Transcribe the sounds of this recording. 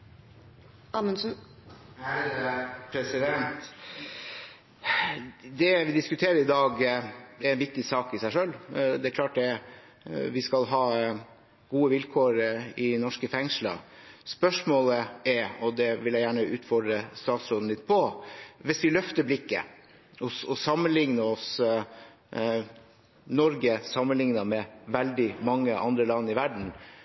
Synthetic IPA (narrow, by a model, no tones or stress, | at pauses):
ɑmənsn | pʰɾɛsɪd̪ɛnt̪ | d̪ɛʋɪd̪ɪskʉt̪ʰeːɾəɾɪd̪ɑːɡɛɾæɪnʋɪk̚t̪ɪsɑːkɪsæɪʂœlːd̪ɛɛɾkʰlɑːʈ̚d̪ɛ | ʋɪskɑlɦɑː | ɡ̥uːəʋɪlkʰoːɾɪnɔʂkəfɛŋʂlɑ̰spœʂmoːləɛɾɔd̪ɛʋɪljæɪjæːɳəʉːt̪fɔɖɾəst̪ɑːt̪sɾoːd̪n̩lɪt̪̚ːpʰɔʋɪsʋɪlœft̪əblɪkːə̰ | ɔsɔsɑmːənlɪŋnəɔs | nɔɾɡəsɑmːənlɪŋnɑmɛʋɛld̪ɪmɑŋːəʔɑ̰nd̪ɾəlɑnːɪʋæɖɳ̩